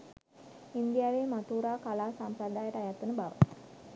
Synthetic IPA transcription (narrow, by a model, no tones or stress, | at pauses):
ind̪ijaːʋeːmat̪uːɾaːkalaːsampɾəd̪aːjəʈəajat̪ːənəbaʋə̰